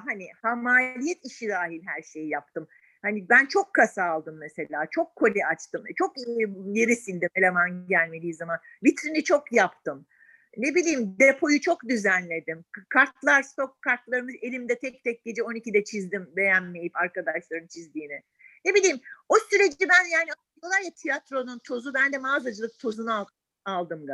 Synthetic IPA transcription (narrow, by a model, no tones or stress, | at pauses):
ɦanihamaːlʲijɛt̪iʃid̪aːɦilʲɦæɾʃe̞jjap̚t̪ʰɯm | hanibænt͡ʃʰo̞kʰːasaːlˠd̪ɯmːese̞lʲaːt͡ʃʰo̞kʰːo̞lʲɛat͡ʃt̪ɯmt͡ʃʰo̞kjeɾisilʲd̪imelʲemanɟælʲme̞d̪iːzaman | vit̪ɾinit͡ʃʰo̞kjapt̪ɯm | ne̞bilʲiːmd̪epʰo̞jut͡ʃʰo̞kd̪yzænlʲe̞d̪imkʰaɾt̪lˠaɾst̪ʰo̞kʰːaɾt̪lˠaɾɯmɯze̞lʲimd̪ɛt̪ʰɛc̚t̪ʰɛc̚ɟ̥e̞d͡ʒɛo̞nicid̪ɛt͡ʃʰizd̪imbe̞jænːejipaɾkad̪aʃlˠaɾɯnt͡ʃʰizd̪iːnɪ | ne̞bilʲiːmo̞syɾe̞d͡ʒibænjaːniad̪ijolˠaɾjat̪ʰijat̪ɾo̞nunt̪ʰo̞zubænd̪ɛmaːzad͡ʒɯlˠɯk̚t̪ʰo̞zuna | alˠd̪ɯmɡ